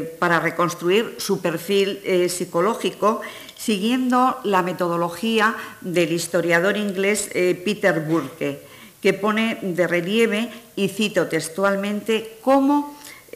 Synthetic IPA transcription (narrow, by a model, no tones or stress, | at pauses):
paɾare̞ko̞nst̪ɾuiɾsupe̞ɾfilsiko̞lo̞xiko̞ | siɣje̞nd̪o̞lame̞t̪o̞ð̞o̞lo̞xiad̪e̞list̪o̞ɾjað̞o̞ɾiŋɡle̞spit̪e̞ɾβuɾke | ke̞po̞ned̪e̞re̞lje̞β̞e̞iθit̪ot̪e̞st̪walmẽ̞nt̪e̞ko̞mo̞